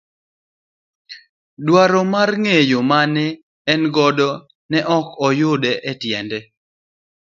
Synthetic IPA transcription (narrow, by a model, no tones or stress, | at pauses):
dwaɾɔmarŋejomanɪː | nɡɔdɔ | nɛʔɔkɔjʊdɛʔɛtjɛndɛ